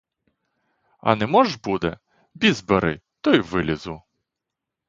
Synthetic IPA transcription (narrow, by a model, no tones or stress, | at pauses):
ɐ̰nɛmɔʒbud̪ɛ̰ | bʲizbeɾɪ̰t̪ɔjʋɪlʲizʊ